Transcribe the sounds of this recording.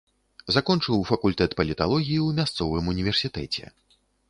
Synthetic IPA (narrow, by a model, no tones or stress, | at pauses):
zakɔnt͡ʂɨwfɐkulʲt̪ɛt̪pɐlʲit̪alˠɔɣʲijiwmʲast̪sɔvɨmunʲivʲɛrsʲit̪ɛt͡sʲɛ̰